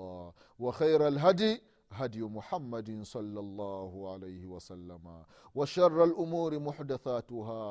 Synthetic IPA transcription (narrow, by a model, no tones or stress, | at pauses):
ɑː | waxajɾalɦad̪j | ɦad̪jʊmʊħamːad̪ɪsˤɑlːɑlˤːɑːhʊʕalajhɪwasalːama | waʃɑrˤːalʔʊmuːɾɪmʊħd̪aθaːt̪ʊɦaː